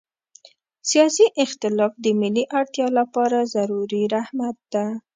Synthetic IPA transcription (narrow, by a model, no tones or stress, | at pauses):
sijɑsiʔɪxt̪ɪlɑfd̪əmɪliʔaɽt̪jɑlapɑɾazaɾuɾiɾahmat̪̚d̪̥a